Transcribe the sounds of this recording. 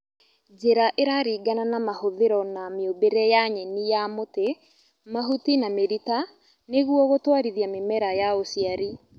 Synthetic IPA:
d͡ʒeɾaʔeɾaɾiːɡananamahoðeɾɔnameobeɾɛjaɲɛnijamote | maɦutinameɾita | neɣwɔɣotwaɾiðjamemɛɾajaosiaɾi

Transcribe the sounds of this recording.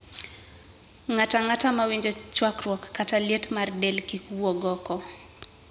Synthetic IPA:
ŋataŋatamawiɲd͡ʒɔt͡ʃwakɾwɔkːataljetmardɛlkikuwɔɡɔkɔ

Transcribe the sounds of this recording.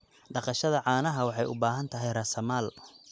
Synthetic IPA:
ɖɑqɑʃɐðɐʕɑːnɐɦɐwɑħɑjʊ̰baːɦɐnt̪ʰɐɦɛjrɐsɐmaːl

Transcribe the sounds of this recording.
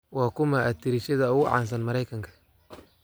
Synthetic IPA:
wɑːkʰʊmɐʔːt̪ʰɪɾɪʃɐðɐʊɣʊʕɑ̰ːns̬ɐnmɐɾɛjkʰɐŋkʰɐ̥

